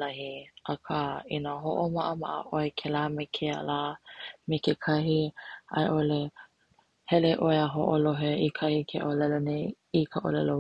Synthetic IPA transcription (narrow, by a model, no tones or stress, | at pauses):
lɐhiʔakʰainaɦoʔomaʔəmaʔə̰ʔoekʰelaːmekʰea̰laːmekekʰɐɦiʔa̰jʔole | hɛleʔoeaɦoʔoloɦeʔikʰɐhikʰeʔolɛlonej | ikʰaʔo̰lɛlo